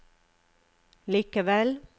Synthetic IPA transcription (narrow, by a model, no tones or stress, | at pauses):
liːkəʋɛl